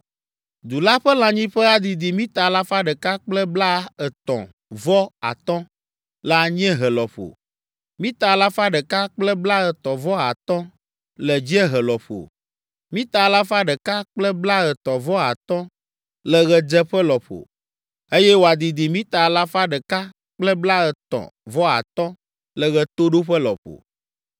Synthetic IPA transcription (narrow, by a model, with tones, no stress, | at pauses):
d̪u˨la˦ɸə˦lã˨ɲĩ˦ɸɛ˦a˨d̪i˨d̪i˨mĩ˦t̪a˨la˦fa˦ɖɛ˨ka˦k͡plɛ˦bla˦ə˨t̪ɔ̰̃˨ | vɔ˦a̰˨t̪ɔ̃˦ | la˦ɲ˦ɛ̃˦ɦɛ˨lɔ˨ɸo̰˨ | mĩ˦t̪a˨la˦fa˦ɖɛ˨ka˦k͡plɛ˦bla˦ɛ˨t̪ɔ˨vɔ˦a˨t̪ɔ̃˦ | lɛ˨d͡ʑi˦ɛ˦ɦɛ˨lɔ˨ɸo̰˨ | mĩ˦t̪a˨la˦fa˦ɖɛ˨ka˦k͡plɛ˦bla˦ɣɛ˨t̪ɔ˨vɔ˦a˨t̪ɔ̃˦ | lɛ˨ɣɛ˨d͡ʒɛ˦ɸɛ˦lɔ˨ɸo̰˨ | e˦jɛ˦wo˨a˨d̪i˨d̪i˨mĩ˦t̪a˨la˦fa˦ɖɛ˨ka˦ | k͡plɛ˦bla˦ɣɛ˨t̪ɔ̰̃˨vɔ˦a̰˨t̪ɔ̃˦ | lɛ˨ɣɛ˨t̪o˦ɖo˦ɸɛ˦lɔ̰˨ɸo̰˨